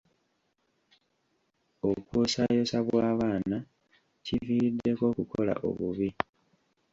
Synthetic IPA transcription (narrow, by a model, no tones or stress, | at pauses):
okwoːsajo̞saβwwaːβaːna | civiːidːe̞ko̞kuko̞la̰ʔo̞̰βuβi